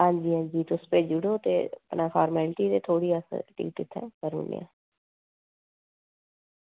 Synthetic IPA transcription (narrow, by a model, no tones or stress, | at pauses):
ɦãːɲd͡ʒiːɦãːɲd͡ʒiːt̪ʊspeːd͡ʒʊɽoːt̪ḛːəpnaːpʰaːɾmɛːlʈiːt̪eːt̪ʰoːɽiːəsʈḭːk̚ʈ̪ɪt̪ʰːɛ̰̃ːkəɾṵnḛja̰ː